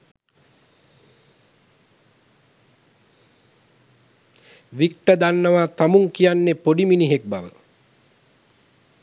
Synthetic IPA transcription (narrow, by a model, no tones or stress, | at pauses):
ʋik̚ʈəd̪anːəʋat̪amuŋkijanːepoɖiminiɦek̚baʋə